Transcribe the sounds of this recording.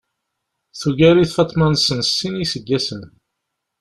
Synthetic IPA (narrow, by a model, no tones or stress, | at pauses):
θuʝæɾiθfɑt̪ˤːmɑnsənsːinisəɡːæsən